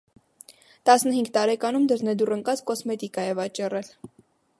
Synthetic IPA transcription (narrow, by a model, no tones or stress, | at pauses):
t̪ɑsnəɦiŋɡt̪ɑɾɛkɑnumd̪əɾnɛd̪urəŋkɑt͡skɔsmɛt̪ikɑjɛvɑt͡ʃɑrɛl